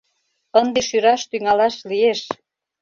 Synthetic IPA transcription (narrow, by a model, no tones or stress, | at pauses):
ənd̪eʃyɾɑʃt̪yŋɑlɑʃlieʃ